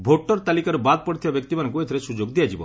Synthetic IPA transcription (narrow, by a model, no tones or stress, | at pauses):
bʱoʈɔɾt̪alikaɾubad̪̚pɔɽt̪ʰibabjɔk̚t̪imanɔŋkuet̪ʰiɾesud͡ʒoɡd̪ijad͡ʒibɔ̰